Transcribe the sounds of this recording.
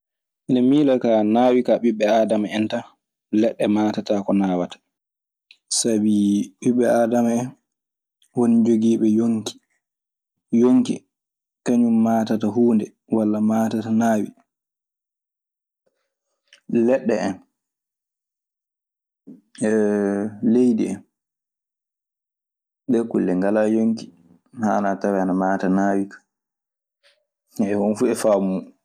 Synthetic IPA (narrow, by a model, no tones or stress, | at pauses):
ʔinamiːlakanaːwikaɓiɓːɛaːdamaɛnta | lɛɗːɛmaːtatakɔnaːwatḁ | sabiɓiɓɛaːdamaɛn | wonid͡ʒoɡiːɓɛjoŋki̥ | joŋkḭ | kaɲumːaːtataɦuːndɛ | walːamaːtatanaːwḭ | lɛɗːɛʔɛn | ɛ | lejdḭɛn | ɓɛkulːɛŋɡalajoŋki | hanatawɛanamaːtanaːwikḁ | ɛwɔnfuɛfaːbumu